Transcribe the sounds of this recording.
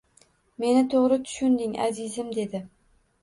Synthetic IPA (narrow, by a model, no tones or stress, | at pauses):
me̞nɪt̪ʰoʁɾɪt̪ʰʊ̥ʃʊnd̪ɪŋa̰zɪzɪmd̪e̞d̪ɪ